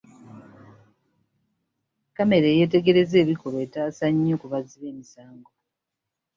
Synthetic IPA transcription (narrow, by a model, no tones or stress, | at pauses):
kame̞ɾeːje̞ːte̞ɡe̞ɾe̞ze̞ːβiko̞ɾoeːtaːsaɲːoːkuβaziβe̞ːmisaːŋɡo̞